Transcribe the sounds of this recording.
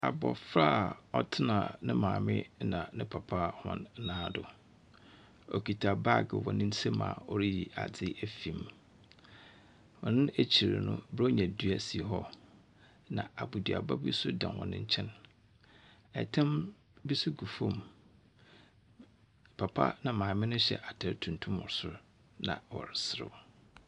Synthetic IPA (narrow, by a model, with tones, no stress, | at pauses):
a˨bɔ̰˨fɾa˦ɔ˦tʰɪ˦nã̰˨nɪ̃˦mãː˨mɪ̃˦nã˨nɪ̃˦pʰa˨pʰa˦hɔ̰̃˦n˦nãː˦dʊ˨ | ɔ˨kʰi˨tʰa˨ba˦˨ɡɪ̰˨wɔ˨nɪ̃˦n̩˦sɛ˦mã̰ː˨ɔ˨ɾi˦ji˨ʔa̰˨d͡zɪ˦ʔæ˦fĩ˨m | wɔ˨nɪ̃˦ʔæ˦t͡ɕʰi˨ɾa̰˨nʊ̰̃˦bɾɔ˦ɲɛ̃˨dɥæ˨si˨ɦɔ˦ | nã̰˨a˨bu˨di˨a̰˨ba˦bi˦sʊ˦dã˨nwɔ̰̃˨nɪ̃˦ɲ̩˦t͡ɕʰɛ̃˦n | ɛ̰˨tʰã˦m | bi˦sʊ˦ɡu˨fõ˦˨m | pʰa˨pʰa̰˦nã˨mãː˨mɪ̃˦nʊ̃˦ɕɛ̰˨ʔa˨tʰɛ˨ɾtʰũ˨n˨tʰũ˦mʊ̰̃˨ɾsʊ˦ | nã̰˨wɔ̰˨ɾɪ˨sɪ˨ɾɪ̰˨wɔ˨